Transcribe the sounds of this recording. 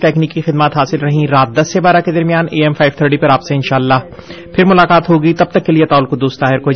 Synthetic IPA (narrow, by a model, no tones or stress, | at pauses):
ʈɛːkniːkːixɪd̪maːt̪ɦaːsɪlɾɐɦĩɾaːt̪̚d̪ɐsːebaːɾaked̪ɐɾmjaːneːɛːmfʰaːɪʋt̪ʰəɾʈipɐɾaːpseɪnʃaːlːaː | pʰɪɾmʊlaːkaːt̪ɦoːɡit̪ɐb̚t̪ɐkːeliet̪aːlkʊd̪ːuːst̪aːɦɪɾkoː